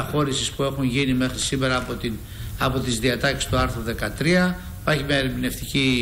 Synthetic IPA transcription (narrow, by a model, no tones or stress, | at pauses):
xo̞ɾisispue̞xuɲʝinime̞xɾisime̞ɾɐːpot̪in | ɐpo̞t̪izðiɐt̪ɐksi̥st̪uɐɾθɾuðe̞kɐt̪ɾiɐ | ipɐɾçimɲɐeɾemine̞ft̪ici